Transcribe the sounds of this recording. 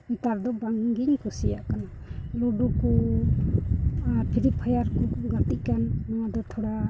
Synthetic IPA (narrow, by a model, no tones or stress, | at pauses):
it̪aɾd̪ɔbaŋɡiɲkusijaʔkana | luɖuku | pʰiɾipʰəjaɾkuɡat̪iʔkanːawad̪ɔt̪ʰɔɽa